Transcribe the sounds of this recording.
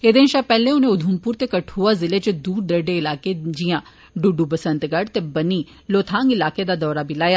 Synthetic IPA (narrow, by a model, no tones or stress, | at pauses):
ed̪enʃapɛɦleʊneʊd̪ʱumpuːɾt̪ekɐʈʰuazɪlet͡ʃed̪uːɾd̪ɐɖeɪlaːked͡ʒijã | ɖuɖubɐsə̃nt̪ɡɐɽt̪ebɐni | loːt̪ʰãːŋɡɪlaːked̪ad̪ɔːɾabʱilaːjaː